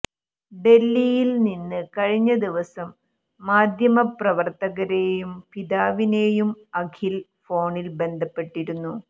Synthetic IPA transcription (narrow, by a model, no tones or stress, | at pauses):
ɖe̞lːijilninːɨkɐɻiɲːɐd̪iʋɐsɐmː | aːd̪ʱjɐmɐprɐʋɐrt̪ɐɣɐɾe̞ːjumpid̪aːʋineːjumɐkʰilfo̞ːɳilbe̞nd̪ʱɐpːe̞ʈːiɾunːu